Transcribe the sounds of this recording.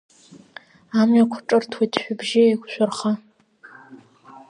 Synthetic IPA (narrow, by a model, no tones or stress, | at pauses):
amɥakʷʰʊʈ͡ʂʼɨrtʰwitʰħʷᶣʊbʒɪeɡʷʃʷʊrχa